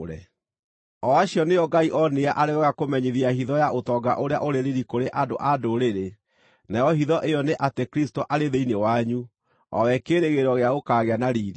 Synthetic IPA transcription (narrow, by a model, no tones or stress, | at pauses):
ɾɛ̰ | ɔaɕjɔneɔɡaiʔɔneaʔaɾewɛɣakomɛɲeðiahiðɔjaʔotɔɡa̰ʔoɾea̰ʔoɾeɾiɾikoɾeʔadoʔadoɾeɾe | najɔhiðɔʔejɔneʔatekɾistoʔaɾeðeinewaɲu | ɔ̰wɛkeɾeɣeɾɔɣeaɣokaːɣeanaɾiːɾi